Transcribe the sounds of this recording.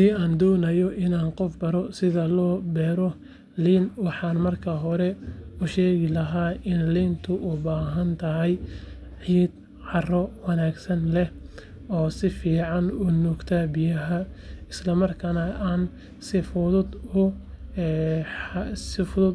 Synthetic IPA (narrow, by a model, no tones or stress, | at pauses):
iːaːnd̪ɔːnɐjɔʔɪnaːnqɔfbɐɾɔsɪðɐlɔːbɛːɾɔ | liːnwɑħɑːnmɐrkʰɐɦɔɾɛʊʃɛːɣɪlɐɦaːɪnliːnt̪ʰʊʔʊbaːɦɐnt̪ʰɐɦɛj | ħiːd̪̚ | ʕɑrɔwɑnaːɡsɐnlɛ | ɔːsɪfiːʕɑnuːnɔːɡt̪ʰabɪjɐɦɐɪslɐmɐrkʰɐnɐʔaːn | sɪfʊðʊd̪ʊ | sɪfʊðʊd̪